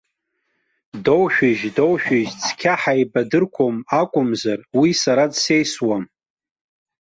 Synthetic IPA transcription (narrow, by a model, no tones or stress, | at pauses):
dowʃᶣɪʒdo̞wʃᶣɪʒt͡sʼʰkʲʰaħajbadɨrkʷʰomakʷʼʊmzarwisaɾadsejswam